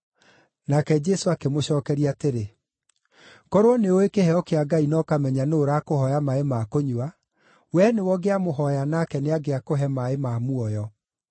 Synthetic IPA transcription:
nakɛd͡ʒɛsoakemoɕɔːkɛɾiateɾe | kɔɾoɔneoekehɛɔkeaɡainɔkamɛɲanoːɾakohɔjamaemakoɲua | wɛnewɔɡeamoɦɔjanakɛneaɡeakoɦɛmaemamuɔjɔ

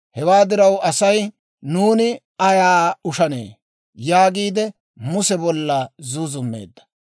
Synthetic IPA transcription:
hɛwaːd̪ɪɾɐwɐsɐj | nuːnɪ | ɐjaːʊʃɐnḛː | jaːɡiːd̪ɛ | mʊsɛbɔlːɐzʊzʊmːḛːd̪ːɐ̥

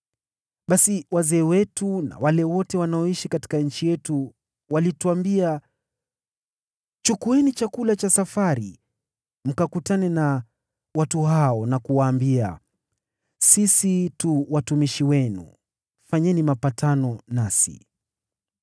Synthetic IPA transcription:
ɓasiwazɛːwɛtuna̰walɛwɔtɛwanaɔiʃikati̥kaɲ̩t͡ʃijɛtu | walituambia | t͡ʃukuɛnit͡ʃakulat͡ʃasafaɾi | m̩kakutanɛna | watuɦaɔnakuwaːmbia̰ | sisituwatumiʃiwɛnṵ | faɲɛnimapatanɔnasḭ

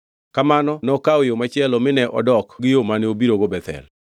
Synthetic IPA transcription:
kamanɔnɔkawojomat͡ʃɪɛlɔmɪnɛʔɔ̰dɔkɡɪjomaneobiɾoɡobɛt̪ɛ̰l

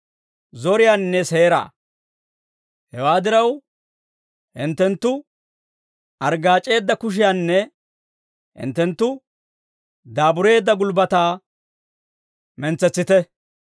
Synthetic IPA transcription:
zɔɾɪjaːnnːɛseːɾa̰ː | hɛwaːd̪ɪɾɐw | ɪnt̪ːɛnt̪ːʊ | ɐɾɡaːt͡ʃʼːe̞ːd̪ːɐkʊʃ̬ɪjaːnːɛ | ʔɪ̰nt̪ːɛnt̪ːʊ | d̪aːbʊɾe̞ːd̪ːɐɡʊlbɐt̪aː | mɛnt͡sːɛt͡sːɪt̪ɛ

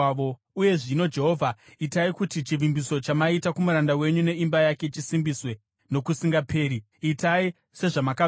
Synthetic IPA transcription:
o | uje̞ʐino̞d͡ʒe̞ɦo̞vʱaitaikutit͡ʃiʋimbiso̞t͡ʃamaitakumuɾandawe̞ɲune̞imbajake̞t͡ʃisimbiswe̞ | no̞kusiŋɡapʰe̞ːɾi | itai | se̞ʐamaka

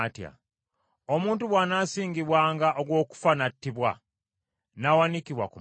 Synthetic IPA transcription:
tja̰ | omuːntuβwanasiːŋɡiβwaːŋɡaʔoɡwo̞ːku̥fanatːiβwa̰ | nawanikiβwa̰ku

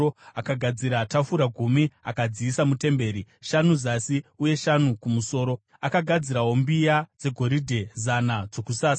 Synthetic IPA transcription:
oakaɡʱad͡ziɾatafuɾaɡʱumiakad͡ziːsamute̞mbe̞ːɾiʃanuzasiuje̞ʃanukumuso̞ːɾo̞ | akaɡʱad͡ziɾaɦwo̞mbijad͡ze̞ɡʱo̞ɾidʱe̞zanad͡zo̞kusaːsa

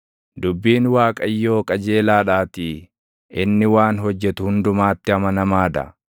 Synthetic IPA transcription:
d̪ʊbːiːnwaːkʼɐjːo̞ːkʼɐd͡ʒe̞ːlaːᶑaːt̪i | ʔɪnːɪwaːnɦɔd͡ʒːɛt̪ʊhʊnd̪ʊmaːt̪ːɪɐmɐnɐmaːd̪ɐ̰

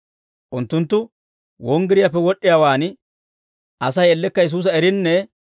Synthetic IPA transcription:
ʔʊnt̪ːʊnt̪ːʊ | wɔŋɡɪɾɪjapːɛwɔɗːɪjaːwaːn | ʔɐsɐjɛlːɛkːɐjɛs̬uːs̬ɐɛɾɪnːɛ

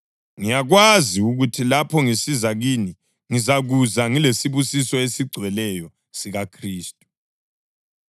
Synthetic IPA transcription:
ŋijaɣwaziuɣutʰilapʰɔŋisizaɣiːni | ŋizaɣuzaŋilesiβusisɔesiɡ͡ǀʱwɛlɛjɔ | siɣakʰriːstʼu̥

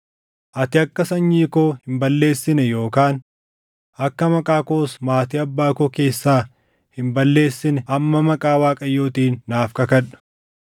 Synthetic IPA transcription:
ʔɐt̪ɪɐkːɐsɐɲːiːkoːhɪmbɐlːe̞ːsːɪnɛjo̞ːkaːn | ʔɐkːɐmɐkʼaːkoːsmaːt̪iːɐbːaːkoke̞ːsːaː | hɪmbɐlːe̞ːsːɪnɛɐmːɐmɐkʼaːwaːkʼɐjːo̞ːt̪iːnːaːfkɐkɐᶑɐ̥

